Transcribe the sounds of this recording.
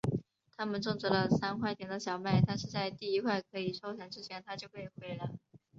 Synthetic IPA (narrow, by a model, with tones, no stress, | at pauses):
t̪ʰa˥mə˨nʈ͡ʂʊ˥˩ŋt͡swɔ˧˥lə˧sa˥nkʰwa˥˩ɪt̪ʰjɛ˧˥nd̪ə˧ɕjɑ˨˩ʊma˥˩ɪt̪ʰa˥˧nʂɻ̩˥˧t͡sa˥˧ɪt̪i˥˩i˧˥kʰwa˥˩ɪkʰɤ˧˥i˨˩ʂʰo˥ʊjɛ˧˥nʈ͡ʂɻ̩˥t͡ɕʰjɛ˧˥nt̪ʰa˥t͡ɕjo˥˧ʊpe˥˩ɪxwe˧˥ɪlaa˧˩ɪ